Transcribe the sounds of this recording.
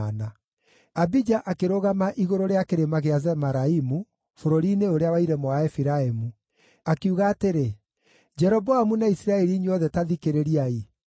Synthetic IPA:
na | abid͡ʒaʔakeɾoɣamaʔiɣoɾoɾeakeɾemaɣeazɛmaɾaimu | foɾoɾineoɾeawaiɾɛmoaɛfiɾaemu | akeuɣaːteɾe | d͡ʒɛɾɔbɔamunaisiɾaɛɾiɲeɔðɛtaðikeɾeɾiai

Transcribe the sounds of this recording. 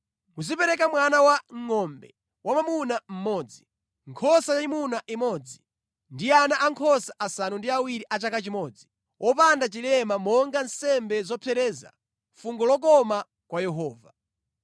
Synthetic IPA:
muzipɛɾɛk̬amwanawaŋɔmbɛ̰ | wʔamamunam̩mɔːd͡zi | ŋkʰɔsajaimunaʔimɔd͡zi | ndianaʔaŋkʰɔsaʔasanundiawiɾiʔat͡ʃakat͡ʃimɔːd͡zi | ʔɔpandat͡ʃilɛmamɔŋɡansɛmbɛzɔpʰɛɾɛːza̰ | fuŋɡɔlɔk̬ɔma | kwajɛɦɔːva

